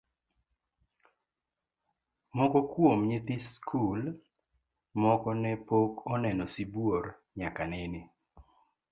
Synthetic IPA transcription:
mɔkɔkwomɲɪt̪ɪskʰul | mɔkɔnɛpokɔnɛnɔsibwoɾ | ɲakanenɪ

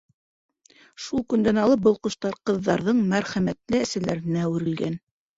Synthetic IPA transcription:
ʃulˠkɵ̆nd̪ænɑlˠɤp̚bɤ̆lˠqŏʃt̪ɑɾqɤ̆ðːɑɾðɤɴmæɾχæmæt̪lɘæsælæɾɘ̆næʉɾɘ̆lɡæn

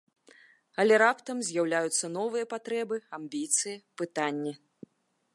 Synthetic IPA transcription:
ɐlʲɛɾapt̪ɐmzʲjawlʲajut̪sːɐnɔvɨjɐpat̪ɾɛbɨambʲit̪sɨjipɨt̪anʲːi

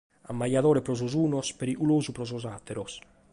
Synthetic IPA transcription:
a̰mːajaðɔːɾɛpɾɔzɔzuːnɔspɛɾiʔuloːzupɾɔzɔzat̪ːɛɾɔs

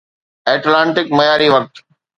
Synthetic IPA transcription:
eːʈlãːɳʈɪkmɐjaːɾiʋɐk̚t̪

